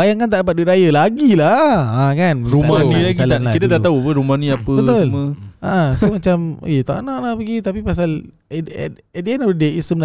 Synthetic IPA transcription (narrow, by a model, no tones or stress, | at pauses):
bajaŋkant̪aʔdap̬at̪̚biɾajəlaɡilaãkanmɾumaniakilaakit̪adat̪aupəɾumanĩapəbət̪olməaʔãsəmat͡ʃam̰jet̪a̰ʔa̰naʔ̚lahpəɡit̪apipas̬al̰ | ɛdɛnaədeisəmna